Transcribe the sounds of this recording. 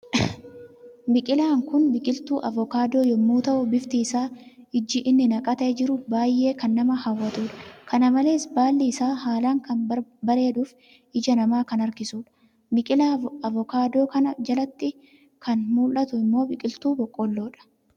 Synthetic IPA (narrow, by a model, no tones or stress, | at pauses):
bɪkʼɪlaːŋkʊnbɪkʼɪlt̪uːʔɐvɔkaːd̪o̞ːjɔmːuːt̪ɐʔʊbɪft̪iːsaː | ɪd͡ʒɪʔɪnːɪnɐkʼɐt̪eːd͡ʒɪɾʊbaːjʔːe̞ːkɐnːɐmɐhɐwːɐt̪uːᶑɐ̥kɐnɐmɐle̞ːsbaːlːiɪsaːhaːlaːŋkɐnbɐbɐɾe̞ːd̪uːf | ʔɪd͡ʒɐnɐmaːkɐnɐɾkɪsuːᶑɐ̥ | bɪkʼɪlaɐvɔkaːd̪o̞ːkɐnɐd͡ʒɐlɐt̪ːɪ | kʰɐnmuːlʔɐt̪ʊɪmːo̞ːbɪkʼɪlt̪uːbɔkʼːɔlːo̞ːᶑɐ̥